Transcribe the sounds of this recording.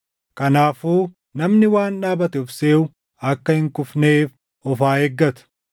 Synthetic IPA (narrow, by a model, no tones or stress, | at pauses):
kɐnaːfuː | nɐmnɪwaːnᶑaːbɐt̪ɛʊfseːʊ | ɐkːɐhɪŋkʊfneːf | ɔfaːheːɡːɐt̪ʊ̥